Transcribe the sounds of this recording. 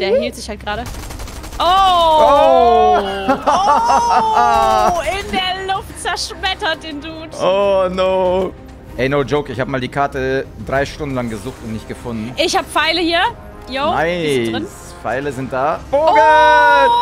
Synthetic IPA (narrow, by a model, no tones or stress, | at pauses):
d̥eːɐhiːltz̥ɪçhalt̚ɡ̥ʁaːɾə | ʔoo | ɪndeːɐlʊft̚t͡sɛɐʃmɛtɐt̚d̥eːnduːtʔoːnoː | ʔɛɪnoʊd͡ʒoʊkɪçhaːbəmaːldiːkʰaɐtədʁaɪʃtʊndn̩laŋɡəzuːxtʊntnɪçt̚ɡ̥əfʊndn̩ʔɪçhaːbəfaɪləhiːɐ | joʊaɪdɪns | faɪləzɪnt̚d̥aːboɡə